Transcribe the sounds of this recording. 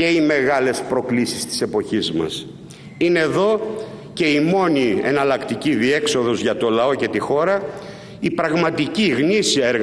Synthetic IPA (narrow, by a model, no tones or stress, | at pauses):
e̞ime̞ɣɐle̞spɾo̞klisist̪i̥se̞po̞çizmɐ̰s | ineðo̞ | ce̞imo̞niḛnɐlɐkt̪iciðie̞kso̞ðo̞zʝɐt̪o̞lɐo̞ce̞t̪ixo̞ɾɐ | ipɾɐɣmɐt̪iciɣnisiɐeɾɣ